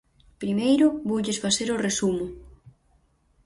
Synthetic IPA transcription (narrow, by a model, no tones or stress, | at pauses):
pɾimejɾʊβowʎesfaθeɾoresumʊ